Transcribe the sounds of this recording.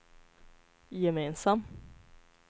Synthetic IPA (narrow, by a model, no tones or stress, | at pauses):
jɛmeːnsam